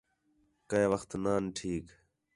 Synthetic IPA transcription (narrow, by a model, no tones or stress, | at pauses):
kəʋəxt̪naːnʈʰiːk